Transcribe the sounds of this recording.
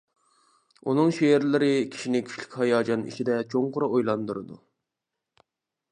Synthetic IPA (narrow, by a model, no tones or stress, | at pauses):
unɨŋʃeɪɾlɪɾɪkʲʰi̥ʃinɪkʲʰy̥t͡ʃly̥kʲhɑjɑːd͡ʒɑnḭt͡ʃʰid̪ɛt͡ʃʰoŋqʊɾɑojlˠɑnd̪uɾɨd̪ṵ